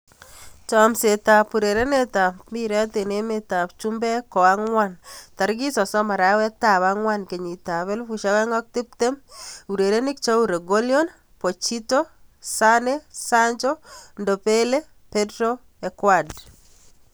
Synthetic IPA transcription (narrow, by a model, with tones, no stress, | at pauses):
t͡ʃɔ˨mse˨ta˨pu˨ɾeɾe˦ne˦ta˨mi˦ɾɛ˦te˨ne˦meta˨pt͡ʃumbɛ˦kɔ˨a˦ŋwanta˨ɾɡi˦sɔ˨sɔ˦ma˨ɾa˦wɛ˦ta˨βaŋwa˦nke˨ɲi˨ta˨βɛ˦lfu˨ʃa˦wɛ˦ŋɡɔ˦k̚ti˦p̚te˦mu˨ɾe˨ɾe˦ni˦k̚t͡ʃɔ˦uɾe˨ɡo˦ljɔ˦n | po˨t͡ʃito˦sanesa˦ɲt͡ʃɔ˦ndo˨pele | petɾo | ekwad